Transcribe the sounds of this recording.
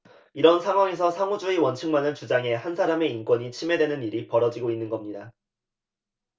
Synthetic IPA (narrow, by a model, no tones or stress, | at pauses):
iɾʌnsʰaŋɦwaŋes̬ʰʌsʰaŋud͡ʑuewʌnt͡ɕʰɯŋmanɯnt͡ɕud͡ʑaŋe̞hansʰaɾame̞ink͈wʌɲit͡ɕʰime̞dwe̞nɯniɾipʌɾʌd͡ʑiɡoinːɯnɡʌmɲida